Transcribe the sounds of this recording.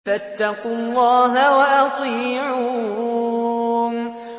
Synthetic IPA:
fat̪ːɑqʊlˤːɑːɦawaʔɑt̪ˤiːʕu

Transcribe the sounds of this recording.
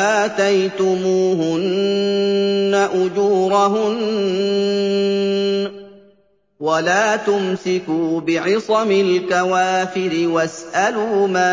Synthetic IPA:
ʔaːt̪ajt̪ʊmuːhʊn | aʔʊd͡ʒuːɾˤaɦʊn | walaːt̪ʊmsɪkuːbɪʕɪsˤɑmɪlkawaːfɪɾɪwasʔaluːmaː

